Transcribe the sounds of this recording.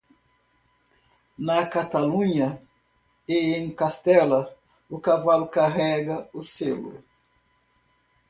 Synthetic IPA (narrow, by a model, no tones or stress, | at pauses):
nɐkat̪alũɲɐ | eẽj̃kast̪ɛlɐ | ʊkavalʊkaɦɛɡɐʊselʊ̰